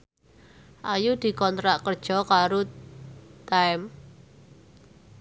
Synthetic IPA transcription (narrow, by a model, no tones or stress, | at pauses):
ʔajud̪̥i̤kɔnt̪ɾaʔkərd̥ʒ̥ɔ̤kaɾo | t̪aɛm